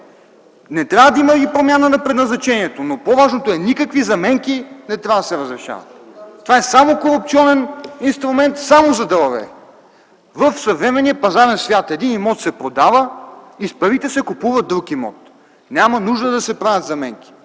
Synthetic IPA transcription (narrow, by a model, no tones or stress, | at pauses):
nɛt̪ɾʲavəd̪ɐimɐɡipɾomʲjanənɐpɾɛd̪nɐznɐt͡ʃɛniɛt̪onopovaʒnot̪oɛnikəkvizɐmɛŋkinɛt̪ɾʲavəd̪ɐsɛɾəzɾɛʃa̰və̰t̪ːovaɛsamokoɾup̚t̪siɔnɛninst̪ɾumɛnt̪samozɐd̪ɐlˠɐvɛ̰ | vəfsɐvɾɛmɛniəpɐzaɾɛnsvʲjat̪ɛd̪inimɔt̪sɛpɾod̪avəispɤɾvit̪ɛsɛkupuvəd̪ɾukimɔ̰t̪ | nʲamɐnuʒd̪əd̪ɐsɛpɾavʲɐt̪zɐmɛŋkʲi̥